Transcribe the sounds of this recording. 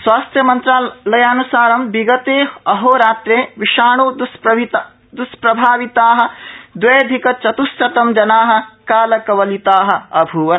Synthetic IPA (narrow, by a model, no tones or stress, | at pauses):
sʋaːst̪ʰjɐmɐnt̪ɾaːlɐjaːnusaːɾɐmbiɡɐt̪eːɐɦoːɾaːt̪ɾeːʋiʃaːɳuːd̪sɐit̪ | d̪uspɾɐbʱaːʋit̪aːɦɐ̆d̪ʋɐjd̪ʱikɐt͡ʃɐt̪usɐt̪ɐmd͡ʒɐnaːɦɐ̆kaːlɐkɐʋɐlit̪aːɦɐ̆ɐbʱuːʋɐ